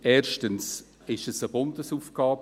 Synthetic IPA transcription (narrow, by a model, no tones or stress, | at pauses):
ʔeːʃtəns | ɪʃəsəbʊndəsuːfɡ̥ɑːb